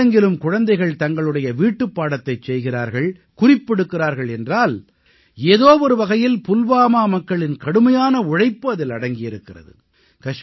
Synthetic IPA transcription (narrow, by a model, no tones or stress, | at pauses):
ɐŋɡɪlɯmkʊɻɐnd̪ɐɪɣɐɭt̪ɐŋɡɐɭɯɽɐjɐʋiːʈːɯpːaːɽɐt̪ːɐɪt͡ʃɛjɣɪraːɾɣɐɭ | kʊrɪpːɛɽɯkːɪraːɾɣɐɭɛndraːl | eːðoːʋɔɾɯʋɐɣɐjɪlpʊlʋaːmaːmɐkːɐɭɪnkɐɽɯmɐjaːnɐʊɻɐɪpːɯɐðɪlɐɽɐŋɡɪjɪɾɯkːɪrɐ̰ðɯ̰ | kɐʂ